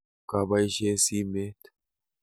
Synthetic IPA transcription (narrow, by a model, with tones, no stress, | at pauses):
ka˨ba˦jʃe˦si˦me˦t̪